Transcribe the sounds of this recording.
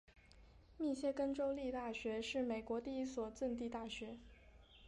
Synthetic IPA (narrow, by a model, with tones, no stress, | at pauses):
mi˥˧ɕjɛ˥˧kə˥nʈ͡ʂo˥ʊli˥˧t̪a˥˩ɕɥɛ˧˥ʂɻ̩˥˩me˨˩ɪkwɔ˧˥t̪i˥˧i˥˩swɔ˨˩t͡sə˥˧nt̪i˥˧t̪a˥˩ɕɥɛ˧˥